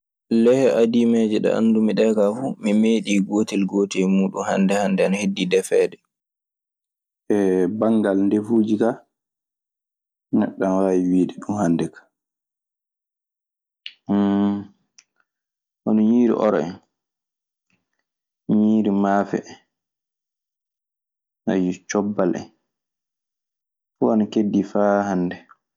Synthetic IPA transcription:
lɛhɛʔadimɛːd͡ʒɛɗɛ̰ʔa̰ndumiɗɛkafumimeːɗiːɡoːtilɡoːtɛjmuːɗṵnha̰ndɛhandɛnahedːidɛfɛːdɛ | ʔɛbaŋɡalndefuːd͡ʒika | nɛɗːanwaːwiwiːɗɛɗumhandɛkḁ | ʔɔnɔɲiːɾḭʔɔ̰ɾɔɛ̰n | ɲiːɾimaːfɛ̰ | na̰jut͡ʃɔbːalʔɛ̰n | fuanakedːifaːhanːdɛ

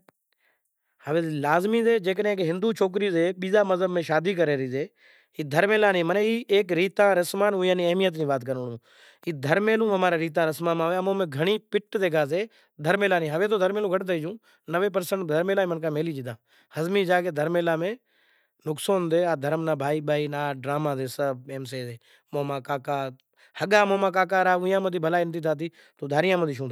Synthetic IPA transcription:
həʋeːlaːzmiːzeːd͡ʒeːknẽːkɦɪ̃nd̪uːt͡ʃʰoːk̬ɾiːseːɓiːzaːməzəbmẽːʃaːd̪iːk̬əɾeːɾəiːzeː | iːd̪ʱəɾmeːlaːnĩːməneiːeːkɾiːt̪ãːɾəsmaːnɦuːjãːnĩːəɦmijət̪̬nĩːbaːt̪kəɾɳũː | iːd̪ʱəɾmeːlũːəmaːɾãːɾiːt̪̬ãːɾəsmãːmãːʋeːmõːmẽːɡʱəɽ̃iːpɪʈd̪eːkʰaːs̬eː | d̪ʱəɾmeːlaːnĩːɦəʋeːt̪oːd̪əɾmeːlũːɡʱəʈt̪əiːd͡ʒũː | nəʋeːp̬əɾsəɳʈd̪ʱəɾmeːlãːmənkãːmeːliːd͡ʒɪd̪ãː | həzmiːd͡ʒaːkeːd̪ʱəɾmeːlãːmẽː | nʊksoːnd̪eːaːd̪ʱəɾmnaːbʱaːiːbʱaːiːnaːɖɾaːmãːd̪eːsəbeːms̬eːdeː | moːmãːkaːkaː | həɠaːmoːmaːk̬aːk̬aːɾaːʊ̃jãːməd̪iːbʱəlaːiɪnt̪iːt̪ʰaːt̪̬iː | t̪oːd̪ʱaːɾɪjãːməd̪iːʃʰũːd̪a

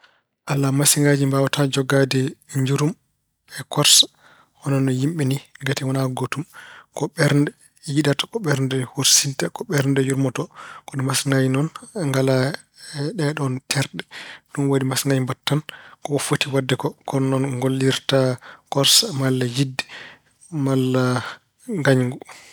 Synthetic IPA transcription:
ʔalːamasiŋɡad͡ʒimbawatad͡ʒɔɡadɛɲd͡ʒuɾum | ɛkɔɾsḁ | hɔnɔnɔjimɓɛniŋɡatɛwɔnaɡotumkɔɓɛɾndɛ | jiɗatḁkɔɓɛɾndɛhoɾsintakɔɓɛɾndɛjuɾmɔtɔkɔɗɔmasiŋɡad͡ʒinɔnŋɡala | ɗɛɗɔntʰɛɾɗɛɗunwodimasŋɡajmbatːankɔɔfotiwadːɛkɔkɔnɔnɡolːiɾtakɔɾsamalːajidːɛ̥ | malːa | ŋɡaɲɡu

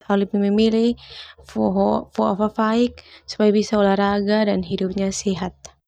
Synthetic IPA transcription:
ɔlipimimilihfɔɦfɔafafaik̚su̥pajabisaulahraɡadanɦidup̚ɲasiɦat̪̚

